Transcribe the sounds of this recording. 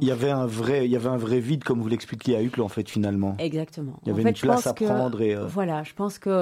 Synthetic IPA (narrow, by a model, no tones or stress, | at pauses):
ilavɛɛ̃vʁɛiljavɛɛ̃vʁɛvid̪kɔmvulɛksplikʰʲjeayklɑ̃fɛt̪finalmɑ̃ɛɡzak̚t̪əmɑ̰̃ijãvɛyfɛnplãsapχɑ̃d̪ʁeøvwalaʒəpɑ̃skə